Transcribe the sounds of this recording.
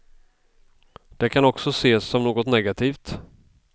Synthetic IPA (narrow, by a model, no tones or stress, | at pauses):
d̪̥ɛkʰanɔksɔseːsːɔmnoːɡɔt̪nɛɡat̪ʰiːft̪